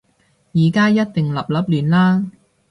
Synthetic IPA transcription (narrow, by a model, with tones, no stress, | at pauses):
jiː˨kaː˥jɐ˥t̚t̪ɪ˨ŋlɐ˨p̚lɐ˨˥p̚lyː˨˩nlaː˥